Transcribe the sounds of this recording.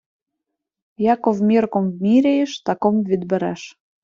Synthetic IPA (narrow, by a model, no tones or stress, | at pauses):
jɑkovmʲirkomvmʲiɾʲejĕʃt̪ɑkomvɘd̪bɘ̆ɾæ̰ʃ